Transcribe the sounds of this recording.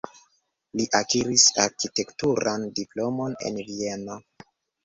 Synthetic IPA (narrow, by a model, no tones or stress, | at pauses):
liʔakiɾisaɾkite̞ktuɾandiplo̞mo̞ne̞̰nvie̞no